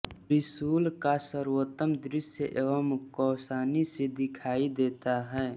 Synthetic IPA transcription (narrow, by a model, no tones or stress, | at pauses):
ɾɪsuːlkasəɾuət̪ːəmd̪ɾɪsjəʔeʋəmkɔːsaːnised̪ɪkʰaːid̪eːt̪aɦɛː